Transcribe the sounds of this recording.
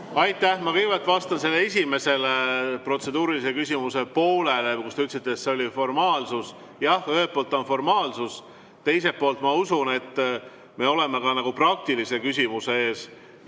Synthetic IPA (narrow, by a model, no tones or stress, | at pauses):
ɑjt̪ːˑæhmɑkɤjvɑlt̪ˑvɑst̪ɑnse̞lːees̬ʲime̞se̞lepro̞t̪se̞d̪uːɾilisekys̬ʲimuse̞po̞ːle̞lekust̪eyt̪ːˑsit̪ːˑet̪seo̞lʲifo̞rmɑːlsus | jɑhøɦet̪̚polt̪ːˑonfo̞rmɑːlsus | t̪e̞jse̞po̞ːlt̪mɑusune̞t̪ːˑ | me̞o̞le̞me̞kɑnɑɡ̥uprɑk̚t̪ilise̞kys̬ʲimuse̞e̞ːs